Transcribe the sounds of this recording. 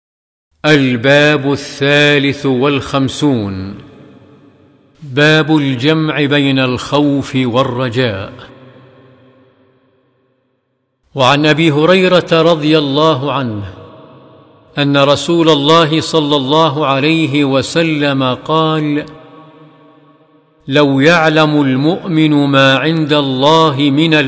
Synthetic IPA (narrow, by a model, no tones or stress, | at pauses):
ʔalbaːbʊθːaːlɪθwalxamsuːn | baːbʊld͡ʒamʕɪbajnalxawfɪwarˤːɑd͡ʒaːʔ | waʕanʔabiːɦʊɾɑjɾɑt̪aɾˤɑd̪ˤɨjalˤːɑːɦʊʕanh | ʔanːaɾˤɑsuːlalˤːɑːɦɪsˤɑlːɑlˤːɑːɦʊʕalajɦɪwasalːamaqɑːl | awjaʕlamʊlmʊʔmɪnʊmaːʕɪnd̪alˤːɑːɦɪmɪna